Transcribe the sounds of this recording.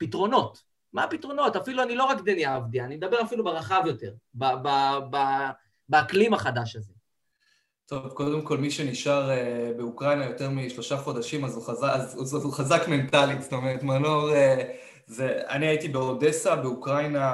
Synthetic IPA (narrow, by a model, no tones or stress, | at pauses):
pitʁo̞no̞t | maːpitʁo̞no̞tafiluanilo̞ʁakd̪enjaavdiaːnimed̪abe̞ʁafilubeʁaχavjo̞te̞ʁbababa | beaklimaχadaʃaze̞ | t̪o̞vko̞d̪e̞mko̞lmiʃe̞niʃaʁebe̞ukʁajnajo̞t̪e̞ʁmiʃlo̞ʃaχo̞d̪aʃimazuχazaazuzotuχazakme̞ntalizto̞meʁetmanoʁe | zea̰niaitibeode̞sabeukʁajna